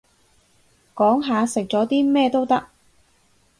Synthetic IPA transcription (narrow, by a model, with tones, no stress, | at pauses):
kɔː˨˥ŋɦaː˨˧sɪ˨k̚t͡sɔː˨˥t̪iː˥mɛː˥˧t̪o˥wt̪ɐ˥k̚